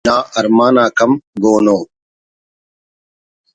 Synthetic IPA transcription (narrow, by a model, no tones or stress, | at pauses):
ãːʔɐɾmaːnaːkɐmɡoːnoː